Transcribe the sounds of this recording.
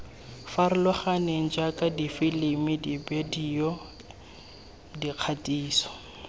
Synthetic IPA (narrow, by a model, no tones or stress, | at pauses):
faɾɪlɔχaneŋ̩d͡ʒakʼadifilimɪdibediɔ | diq͡χʰatʼiːsɔ̥